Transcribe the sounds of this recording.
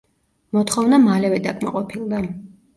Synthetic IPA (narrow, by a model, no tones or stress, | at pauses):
mɔt̪ʰχɔvnamalɛvɛd̪akʰʼma̰qʼɔpʰilˠd̪a